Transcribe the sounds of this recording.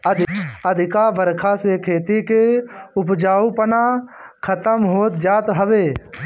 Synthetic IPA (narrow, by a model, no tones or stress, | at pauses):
əd̪əd̪ʱɪkabəɾkʰasekʰeːt̪ikeʊpd͡ʒaːupəna | kʰət̪əmɦoːt̪̚d͡ʒaːt̪ɦəʋeː